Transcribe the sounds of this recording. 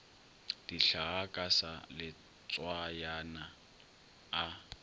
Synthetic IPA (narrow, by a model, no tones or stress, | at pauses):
d̥iɬaɣakʼasa̰lɪ | t͡sʼwajana